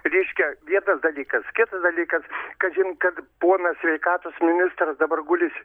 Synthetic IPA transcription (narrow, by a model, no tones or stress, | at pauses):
ɾʲɛɪʃʲkʲɛʋʲiɛnɐsd̪ɐlʲiːkɐskʲɪt̪ɐsd̪ɐlʲiːkɐskɐt̪ʒʲɪnkɐt̪poːnɐsʲʋʲɛɪkɑːt̪oːsmʲɪnʲɪst̪ɾɐsd̪ɐbɐrɡʊlʲɪsʲ